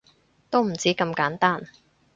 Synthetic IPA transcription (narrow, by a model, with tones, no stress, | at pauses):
t̪o˥wm̩˨˩t͡siː˨˥kɐ˧mkaː˨˥nt̪aː˥n